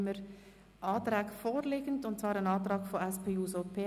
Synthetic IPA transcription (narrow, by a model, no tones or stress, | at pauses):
məɾ | ʔɑːtɾɛːɡfoːɾleːɡ̥əndʊntt͡svɑːɾənɑːtɾɑːɡfoɛspʰeːuːsopʰeː